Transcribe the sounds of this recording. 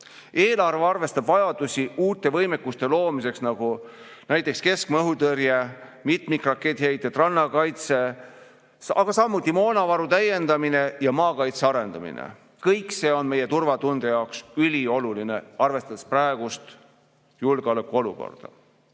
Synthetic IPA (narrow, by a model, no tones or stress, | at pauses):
eːlɑrveɑrve̞st̪ɑb̥vɑjɑd̪̥usʲiuːt̪ːˑe̞vɤjmekːust̪e̞lo̞ːmise̞ksnɑɡ̥u | næjt̪ːˑekske̞skmɤɦut̪ɤɾjemit̪ˑmikrɑkːˑet̪ːhejt̪jɑt̪rɑnːɑkɑjt̪se̞ | ɑɡ̥ɑsɑmːut̪ːˑimo̞ːnɑvɑɾut̪æje̞nd̪ɑmine̞jɑmɑːkɑjt̪seɑɾe̞nd̪̥ɑmḭnḛ | kɤjkse̞ːonme̞je̞t̪urvɑt̪und̪̥ejɑoksylʲio̞luline̞ɑrve̞st̪ɑd̪̥espræeɡ̥ust̪ | julɡ̥eolekːˑuo̞luko̞̰rd̪̥ɑ̰